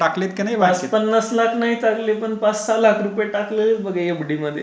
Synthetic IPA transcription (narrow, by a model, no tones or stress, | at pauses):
ʈaklet̪kinajʋasepənːaslakʰnaɦit̪aklepəɳpat͡ssalakʰɾupjeʈaklelbəɡʱeebɽiməd̪ʱːjḛ